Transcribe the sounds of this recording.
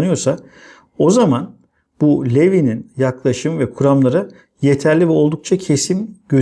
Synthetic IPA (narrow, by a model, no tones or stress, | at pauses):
nɯjo̞ɾsa | o̞zaman | b̥ulʲevininjaklˠaʃɯmɯvɛkʰuɾamlˠaɾɯ | je̞t̪ʰæɾlʲivɛo̞lˠd̪uk̚t͡ʃʰacʰe̞simɟø